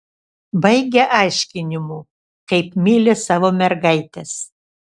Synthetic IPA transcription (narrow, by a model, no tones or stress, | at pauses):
bɐɪɡʲɛʔɑˑɪʃʲkʲɪnʲɪmuː | kɐɪpmʲiːlʲɪsɑːʋoːmʲɛɾɡɐɪt̪ʲes